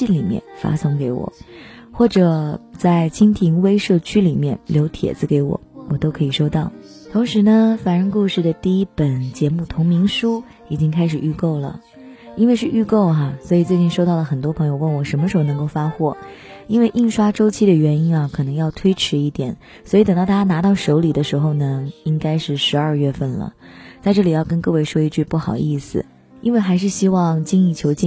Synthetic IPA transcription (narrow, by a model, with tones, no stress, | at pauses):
i˥˩nli˨˩mjɛ̰˥˩nfa̰˥sʊ˥ŋke˧˥ɪwɔ̰˨˩˦xwɔ˥˩ʈ͡ʂɤ˨˩t͡sa˥˩ɪt͡ɕʰi˥ŋt̪ʰi˧˥ŋwe˥ɪʂɤ˥˩t͡ɕʰy˥li˨˩mjɛ̰˥˩nljo˧˥ʊt̪ʰjɛ̰˨˩d͡zɹ̩˥˧ke˧˥ɪwɔ̰˨˩˦wɔ˨˩t̪o˥ʊkʰɤ˧˥i˨˩ʂo˥ʊt̪ɑ˥˩ʊ | t̪ʰʊ˧˥ŋʂɻ̩˧˥nə˧fa˨˩nɻə˥˧nku˥˧ʂɻ̩˥˩d̪ə˩t̪i˥˧i˥pə˨˩nt͡ɕjɛ˧˥mu˥˩t̪ʰʊ˧˥ŋmi˧˥ŋʂu˥ | i˨˩t͡ɕi˥ŋkʰa˥ɪʂɻ̩˨˩y˥˧ko˥˩ʊlə̰˩ | i˥nwe˥˧ɪʂɻ̩˥˧ʔy˥˧ko˥˩ʊɦa˩swɔ˧˥i˨˩t͡swe˥˧ɪt͡ɕi˥˩nʂo˥ʊt̪ɑ˥˩ʊlə˩xə˨˩nt̪wɔ˥pʰɤ˧˥ŋjo˧ʊwə˥˩nwɔ˧˩ʂə˧˥nmə˧ʂɻ̩˧˥xo˥˧n˧˥ŋko˥˩ʊfa˥xwɔ˥˩ | i˥nwe˥˧ɪʔi˥˩nʂwa˥ʈ͡ʂo˥ʊt͡ɕʰi˥d̪ə˨ɥɛ˧˥ni˥nɐ˨kʰɤ˨˩nɤ˧˥ŋjɑ˥˩ʊt̪ʰwe˥ɪʈ͡ʂʰɻ̩˧˥i˥˩t̪jɛ̰˨˩˦n | swɔ˧˥i˨˧˩t̪ŋt̪ɑ˥˩ʊt̪a˥˧˩t͡ɕa˥na˧˥t̪ɑ˥˩ʊʂo˧˥ʊli˨˩d̪ə˦ʂɻ̩˧˥xo˥˧ʊnə˩i˥ŋka˥ɪʂɻ̩˥˩ʂɻ̩˧˥ɐ˞˥˧ɥɛ˥˧fə˥˩nlə̰˩t͡sa˥˧ɪʈ͡ʂɤ˥˩li˨˩jɑ˥˧ʊkə˥nkɤ˥˧we˥˧ɪʂɔ˥i˥˧t͡ɕy˥˧pu˥˩xɑ˨˩ʊi˥˩sɹ̩̰˨˩ | i˥nwe˥˩ɪxa˧˥ɪʂ̬ɻ̩˥˩ɕi˥wɑ˥˧˩ŋt͡ɕi˥ŋi˥˩t͡ɕʰjo˧˥ʊt͡ɕi˥